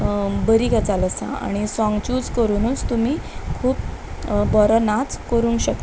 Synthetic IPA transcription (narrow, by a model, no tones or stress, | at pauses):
bəɾiːkat͡saləsa̰a̰ɽ̃isɔ̃ŋɡt͡ɕuːd͡zkəɾuːnunt͡st̪um̤iːkʰuːpbɔɾənat͡skəɾuːnkɕək̪